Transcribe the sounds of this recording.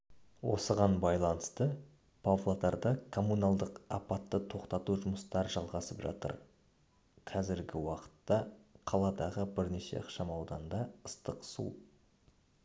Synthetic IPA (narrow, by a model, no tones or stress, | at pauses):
wo̞̰səʁɑnbɑjlˠɑnəst̪ə | pʰovlˠat̪ɑɾd̪əkʰo̞munɑlˠd̪əqɑpɑt̪ːət̪ʰo̞qt̪ɑt̪uʒʊməst̪ɑɾʒɑlˠʁɑsəpʒɑ̰t̪ə̰ɾ | qʰɑzɪɾɡʲɪwɑqə̥t̪ːɑqʰɑlˠɑd̪ɑʁəbɪɾne̞ʃe̞̰ɑqʃɑmɑwd̪ɑnd̪ɑəst̪əqsṵ